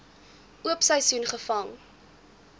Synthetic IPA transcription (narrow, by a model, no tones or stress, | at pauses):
ʔuəpsəjsunχəfɐŋ